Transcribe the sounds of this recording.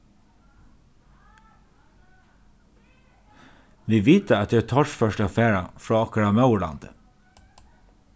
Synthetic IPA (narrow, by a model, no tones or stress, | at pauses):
ʋiːʋiːt̪əɑt̪ːt̪ʰɔʃfœʃʈəɑfeːɹɑ̰fɹɑːɑkəɹɑmɑʉɭɑ̰nd̪ə̰